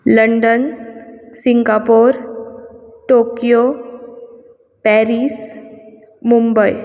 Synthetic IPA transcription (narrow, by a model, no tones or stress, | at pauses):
ləɳɖən | siŋɡapoɾ | ʈokijo | pɛɾis | mumbəj